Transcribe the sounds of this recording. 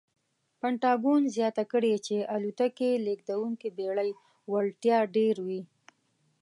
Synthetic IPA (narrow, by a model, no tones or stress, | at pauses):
paɳʈɑɡunzjɑt̪akəɽet͡ʃeʔalut̪akelek̚d̪awuŋkibeɽaj | waɭʈjɑɖeɾwi